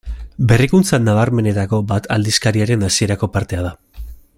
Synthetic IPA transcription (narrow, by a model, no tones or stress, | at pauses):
be̞rikunt͡sanaβ̞aɾme̞ne̞t̪ako̞bat̪ʰald̪iskaɾiaɾe̞nasie̞ɾako̞paɾt̪e̞að̞a